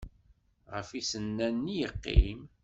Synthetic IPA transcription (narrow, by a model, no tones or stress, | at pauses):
ʁəfisənːænːijəqːḭm